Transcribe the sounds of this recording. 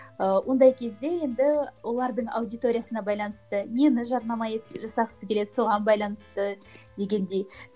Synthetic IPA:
əwʔo̞nd̪ɑjkʲʰe̞zd̪e̞je̞nd̪ɪwo̞lˠɑɾd̪əɴɑ̰wd̪ijt̪o̞ɾʲijasənɑbɑjlˠɑnəst̪ənenɪʒɑɾnɑmɑet̪ʒɑsɑqsəkʲe̞le̞d̪ɪso̞ʁɑnbɑjlˠɑnəst̪əd̪̥e̞ɡʲend̪e̞j

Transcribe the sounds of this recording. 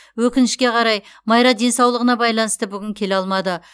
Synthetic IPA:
wɵkʲɪnɪʃkʲe̞qʰɑɾɑj | mɑjɾɑd̪e̞nsɑwlˠəʁənɑbɑjlˠɑnəst̪əbʏɡʲɪŋkʲʰe̞leɑlˠmɑd̪ə

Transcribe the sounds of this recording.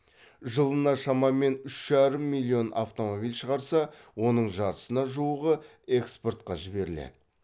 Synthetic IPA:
ʒəlˠənɑʃɑmɑme̞nʏʃʒ̥ɑɾəmːilʲːio̞nʔa̰ft̪o̞mo̞bilʲʃəʁɑɾsɑwo̞nəɴʒɑɾəsənɑʒuəʁə | e̞kspo̞rt̪qɑʒɪbe̞ɾɪlḛd̪ɪ

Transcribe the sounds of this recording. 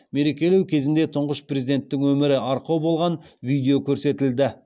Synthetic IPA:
me̞ɾe̞kʲe̞lewkʲʰe̞zɪnd̪e̞t̪ʰʊɴʁəʃprʲezid̪e̞nt̪ːɪŋwɵmɪɾɪɑɾqɑwbo̞lˠʁɑnvijd̪eokʲʰɵɾse̞t̪ɪld̪ɪ

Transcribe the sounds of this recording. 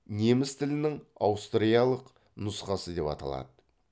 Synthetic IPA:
ne̞mɪst̪ʰɪlɪnɪŋɑ̰wst̪rijalˠəq | nʊsqɑsəd̪e̞pɑ̰t̪ɑ̰lˠɑ̰d̪ə

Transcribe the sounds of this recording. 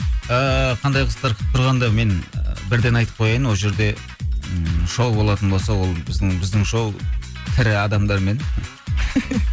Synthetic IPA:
əqʰɑnd̪ɑjqʰə̥st̪ɑɾqʰt̪ʰʊɾʁɑnd̪ɑme̞n̰bɪɾd̪e̞nɑjt̪ə̥p̚qʰo̞jɑjənwo̞lˠʒe̞ɾd̪e̞ | ʃowbo̞lˠɑt̪ənbo̞lˠsɑwo̞lˠbɪzd̪ɪŋbɪzd̪ɪŋʃow | t̪ʰɪɾɪɑd̪ɑmd̪ɑɾme̞n

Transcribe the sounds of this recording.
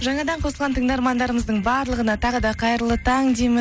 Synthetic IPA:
ʒɑɴɑd̪ɑɴqʰosəlˠʁɑnt̪ʰəŋd̪ɑɾmɑnd̪ɑɾəməzd̪əɴbɑɾlˠəʁənɑt̪ʰɑʁəd̪ɑqʰɑjɾəlˠət̪ʰɑŋd̪emɪ

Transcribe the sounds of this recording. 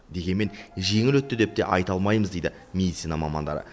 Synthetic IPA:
d̪e̞ɡʲe̞nme̞nʒe̞ŋɪlwɵt̪ːɪd̪e̞p̚t̪e̞̰ʔɑjt̪ɑlˠmɑjməzd̪ejd̪ɪ | mʲe̞d̪ʲit̪sijnɑmɑmɑ̰nd̪ɑ̰ɾə̰

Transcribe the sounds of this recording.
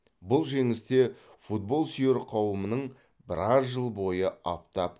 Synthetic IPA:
bʊlˠʒe̞ŋɪst̪e̞fut̪̚bo̞lˠsijeɾqʰɑwəmənəɴ | bɪɾɑsʒəlˠbo̞jəɑp̚t̪ɑp

